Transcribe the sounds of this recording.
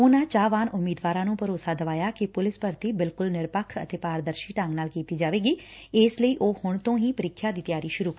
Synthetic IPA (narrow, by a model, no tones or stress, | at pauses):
oːnãːt͡ʃaːʋaːnʔʊmːiːd̪ʋaːɾãːnũːpəɾoːsaːd̪əʋaːjaːkɪpʊlɪspəɾt̪iːbɪlkʊlnɪɾpəkʰə̰t̪eːpaːɾd̪əɾʃiːʈãːŋɡnaːlkiːt̪iːd͡ʒaːʋeːɡiːɪːsləiːʔoːhʊɳt̪õːɦiːpəɾɪkʰːjaːd̪iːt̪ɪjaːɾiːʃʊɾuːk